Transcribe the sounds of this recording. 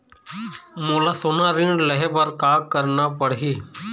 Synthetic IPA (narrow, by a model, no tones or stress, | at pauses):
moːlaːsoːnaːɾĩːɳɖləɦeːbəɾkaːkəɾnaːpəɽɦiː